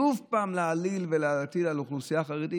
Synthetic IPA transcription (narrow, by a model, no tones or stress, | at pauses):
uvpaːmlealilveleat̪idaluχlusijaχaʁed̪i